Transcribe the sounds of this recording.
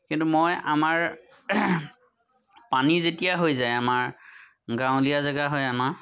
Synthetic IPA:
kintumojamaɹ | panizetijaɦojzajamaɹ | ɡãw̃lijazaɡaɦojama

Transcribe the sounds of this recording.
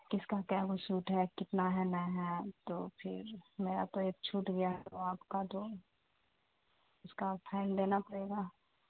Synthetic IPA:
kɪskakɛːbosuːʈɦɛkɪt̪naɦɛnɛɦɛt̪oːpʰɪ̰ɾmeːɾat̪oek̚t͡ʃʰuːʈɡɐjaɦɛt̪oaːpkat̪o | ʊskapʰɛːɪld̪eːnapɐɽeːɡaː

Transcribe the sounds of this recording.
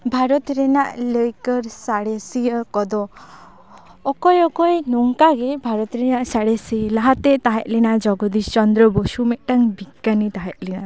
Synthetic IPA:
bʱaɾɔt̪ɾɛnaʔləjkɔɾsaɽesijɔkɔd̪ɔ | kɔjɔkɔjnɔŋkaɡebʱaɾɔt̪ɾɛnaʔsaɽesilaɦat̪ɛt̪aɦɛʔlinad͡ʒɔɡɔd̪ist͡ʃɔnd̪ɾɔbɔsumɛʔʈaŋbiɡanit̪aɦɛʔ̚lina

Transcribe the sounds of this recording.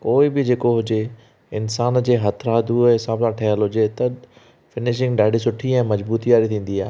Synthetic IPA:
koːɪbɪd͡ʑeːkoɦʊd͡ʑe | ɪnsaːnd͡ʑeːɦɐt̪ʰɾaːd̪ʱuɛsãːmnãʈʰɐɦəlɦʊd͡ʑet̪ɐ | fɪnɪʃ̬ɪ̃ŋɡɖaːɪɖis̬ʊʈʰiɛ̃ːmɐd͡ʑbuːt̪iaːɾit̪ʰĩːn̆d̪iaːɦe

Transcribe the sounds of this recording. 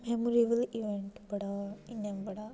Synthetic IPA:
memuɾiʋəliʋeɳʈbɐɽainembɐɽa

